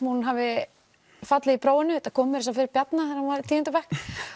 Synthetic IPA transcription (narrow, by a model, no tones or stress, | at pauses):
hunɦavɪ | fat̪lɪðipɾoːwɪnːʏt̪akʰɔːmʏɾɪs̬afɪɾɪɾpjat̪naθɛɾanvaɾɪt̪ʰiːɪnt̪ʏvɛhk